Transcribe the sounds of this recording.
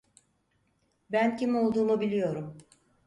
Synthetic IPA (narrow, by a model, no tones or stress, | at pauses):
bæncʰimolˠd̪uːmubilʲijo̞ɾum